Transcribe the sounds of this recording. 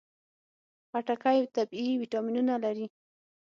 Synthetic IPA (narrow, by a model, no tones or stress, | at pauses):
paʈakajt̪abiwiʈɑminunalaɾi